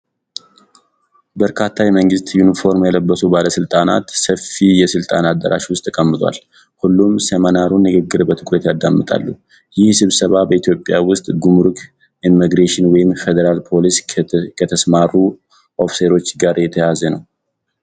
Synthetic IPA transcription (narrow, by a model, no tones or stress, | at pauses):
bəɾkʰat̪ʰːajɛməŋɡɨst̪junifo̞ɾmjɛləbːəsubaləsɨlt̪ʼana̰t̪səfːijɛsɨlt̪ʼanad̪ːə̰ɾʔa̰ʃwʊst̪ʼʰːkʼəmːɨt̪ʼwa̰l | hulːumsemənaɾunːɨɡɨɡːɨɾbət̪ʰɨkʼɾət̪jad̪ːamːɨt̪ʼa̰lːu | jɪhsɨβsəβabəit̪ʰjo̞pʼːjawʊst̪ʼɡumɾukʰ | imːiɡɾeʃɪnwɔjɪmfed̪əɾalpʰo̞liskʰət̪ʰəsmarːu | ʔo̞fseɾo̞t͡ʃːɡaɾjɛt̪ʰəjazənəw